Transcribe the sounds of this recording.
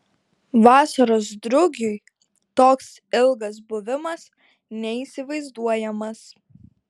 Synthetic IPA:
ʋɑːsɐɾoːs̬d̪ɾʊɡʲʊ | t̪oːks | ɪlˠɡɐs̬bʊʋʲɪmɐs | nʲɛiːˑsʲɪʋɐɪzd̪uɔjɛmɐs

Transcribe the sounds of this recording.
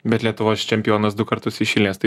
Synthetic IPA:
bʲɛt̪lʲiɛt̪ʊʋoːst͡ʃʲɛmʲpʲjoːnɐsd̪ʊkɐɾt̪ʊsɪʃʲɪlʲnʲeːst̪ɐɪ

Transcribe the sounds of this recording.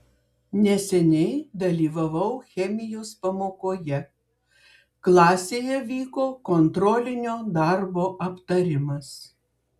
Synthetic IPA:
nʲɛsʲɛnʲɛɪd̪ɐlʲiːʋɐʋɐʊxʲɛmʲɪjoːspɐmoːkoːjɛ | klˠɑːsʲeːjɛʋʲiːkoːkont̪ɾɔlʲɪnʲoːd̪ɑɾboːʔɐpt̪ɐɾʲɪmɐs

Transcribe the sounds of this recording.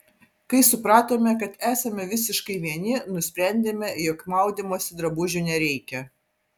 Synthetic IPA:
kɐɪsʊpɾɑːt̪oːmʲɛkɐt̪æːsɐmʲɛʋʲɪsʲɪʃkɐɪʋʲiɛnʲɪnʊsʲpʲɾʲɛnʲd̪ʲeːmʲɛjɔkmɐˑʊd̪ʲiːmoːsʲɪd̪ɾɐbʊʒʲʊnʲɛɾʲɛɪkʲɛ

